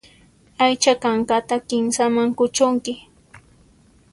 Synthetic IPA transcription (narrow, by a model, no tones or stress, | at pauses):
ajt͡ʃakaɴɢat̪akɪmsamaŋkʊt͡ʃʊŋkɪ